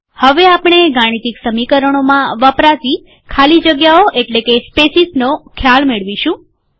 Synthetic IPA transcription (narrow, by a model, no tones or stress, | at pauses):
həʋeapɳ̃eɡaɽ̃it̪iksəmikəɾəɽ̃omãʋəpɾat̪i | kʰalid͡ʒəɡjaoʔeʈlekespesisnokʰjalmeɭʋiʃũ